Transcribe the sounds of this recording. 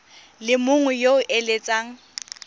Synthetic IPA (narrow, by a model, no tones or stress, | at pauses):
lɪmʊŋɛjoʊʔelet͡sʼaːŋ̩